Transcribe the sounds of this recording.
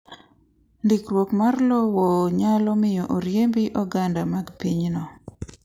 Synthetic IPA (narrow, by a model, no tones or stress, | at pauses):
ndikrwokmarlɔwɔɲalɔmɪjɔʔoɾjembiʔɔɡandamaɡpiɲnɔ